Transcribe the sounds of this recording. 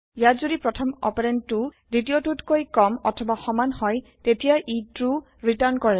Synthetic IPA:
jatzudipɹɔtʰɔmɔ̰peɹɛntʊ | ditiotutkojkɔmɔ̰tʰɔbaxɔmanhɔjtetijaʔitɹu | ɹitaɹnkɔɹɛ

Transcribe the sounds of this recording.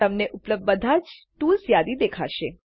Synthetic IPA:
əmneʔʊpləb̚d̪̚bəd̪ʱad͡ʒʈulsjad̪id̪ekʰa̰ʃe

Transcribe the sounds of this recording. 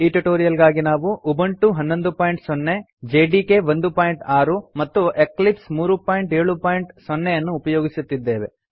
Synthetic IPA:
iʈuʈoːɾijɐlɡaːɡinaːʋuʔubɐɳʈuɦɐnːo̞nd̪upaːjɳʈsɔnːe | d͡ʒeːɖiːke̞ʋond̪upaːjɳʈaːɾumɐt̪ːueklipsmuːɾupaːjiɳʈe̞ːɭupaːjiɳʈsɔnːejɐnːuːpɐjo̞ːɡisut̪ːid̪ːe̞ːʋe̞̰

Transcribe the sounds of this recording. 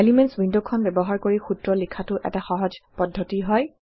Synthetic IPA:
elimɛntsbʱindukʰːɔnbɛbɔɦaɹkoɹixutɹɔlikʰːatʊʔɛ̰taxɔɦɔd͡ʒpɔdʱːɔtiɦɔj

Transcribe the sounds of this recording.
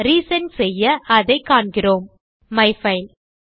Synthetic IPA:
ɾiːsɐnsɛjːɐʔɐðɐɪkːaːɳɡɪroːm | mɐɪfɐɪl

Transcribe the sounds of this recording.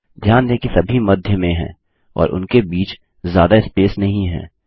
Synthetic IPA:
d̪ʱjaːnd̪eːkisɐbʱimɐd̪ʱjəmẽɦɛ̰̃ː | ɔ̰ːɾʔʊ̰nkebiːt͡ʃ | zjaːd̪aɪspeːsnɐɦĩɦɛ̰̃ː

